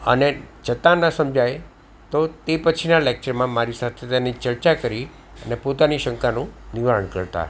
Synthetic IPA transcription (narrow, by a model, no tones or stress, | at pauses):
ə̰ned͡ʒət̪ãnəsəmd͡ʒʱaj | t̪ot̪epət͡ʃʰinalek̚t͡ʃəɾmãmaɾisat̪ʰet̪enit͡ʃəɾt͡ʃakəɾi | ənepot̪aniʃə̃ŋkanũniʋaɭəɳkəɾt̪a̰